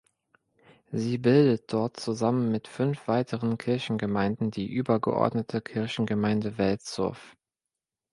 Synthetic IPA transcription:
ziːbɪldət̚d̥ɔɐtt͡suzamənmɪtfʏnfv̥aɪtʰəʁənkʰɪɐçn̩ɡəmaɪndn̩diːʔyːbɐɡə̰ʔɔ̰ɐdnətʰəkʰɪɐçn̩ɡəmaɪndəvɛltt͡sɔ̰ɐf

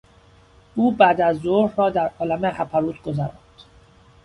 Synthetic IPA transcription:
uːbæːd̪æzːoɾhɾɒːd̪æɾʔɒːlæmeχæpʰæɾuːt̪ɡo̞zæɾɒ̰nd̪̥

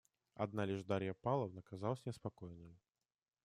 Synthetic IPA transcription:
ɐ̰d̪nalʲɪʐd̪aɾʲjəpɑlˠəvnəkazɑlˠəsʲnʲɪspɐkojnːɨjʊ

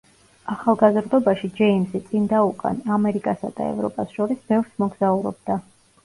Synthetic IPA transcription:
aχalˠɡazɾd̪ɔbaʃid͡ʒɛimsit̪sʼind̪aukʼa̰namɛɾikʼasad̪a̰ɛ̰vɾɔ̰pʼasʃɔɾisbɛvɾsmɔɡz̥auɾɔ̰b̚d̪a

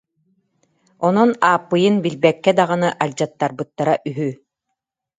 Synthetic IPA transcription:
ɔnɔnaːpːɯjɯnbilbɛkːɛd̪aʁɯnɯʔalʲd͡ʑat̪ːaɾbɯt̪ːaɾaʔyɦy

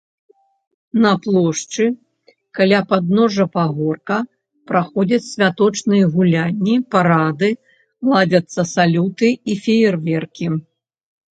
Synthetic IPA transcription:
nɐplˠɔʂt͡ʂɨ | kalʲapad̪nɔʐɐpaɣɔrkɐ | pɾaxɔd͡zʲɐt͡sʲsʲvʲat̪ɔt͡ʂnɨjɐɣulʲanʲːipaɾad̪ɨ | lˠad͡zʲɐt̪sːɐsalʲut̪ɨifʲejɛrvʲɛrkʲi

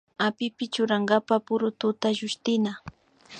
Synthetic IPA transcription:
apɪpɪt͡ʃʊɾaŋɡapapʊɾʊt̪ʊt̪aʒʊʃt̪ɪna

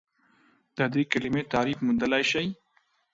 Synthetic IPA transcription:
d̪̥əd̪ekalɪmet̪ɑɾifmund̪əlajʃaj

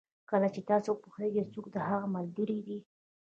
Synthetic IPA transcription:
kəlat͡ʃet̪ɑsopuxeɡet͡sukd̪əhaɣamald̪uɾid̪i

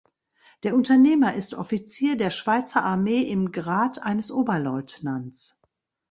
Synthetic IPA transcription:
d̥eːɐʔʊntɐneːmɐʔɪstʔɔfit͡siːɐdeːɐʃv̥aɪt͡sɐʔaɐmeːʔɪmɡʁaːtʔaɪnəsʔoːbɐlɔʏtnant͡s

